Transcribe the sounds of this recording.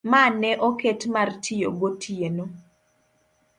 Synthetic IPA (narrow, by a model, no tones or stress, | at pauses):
manɛʔoketmartʰijo̰ɡotʰieno